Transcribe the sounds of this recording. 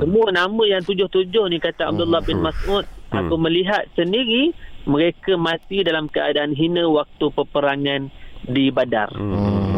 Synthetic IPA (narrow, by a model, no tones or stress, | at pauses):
səmũanamə̃jaŋt̪ud͡ʒʊht̪ud͡ʒʊhnĩkat̪aa̰b̚dulːahbɪnmasʔut̪̚ʔa̰k̪amə̃liɦat̪̚səndiɾimə̃ɾekəmãt̪idalamkəa̰daʔanɦinə̃wak̚t̪upəpəɾaŋandibada̰r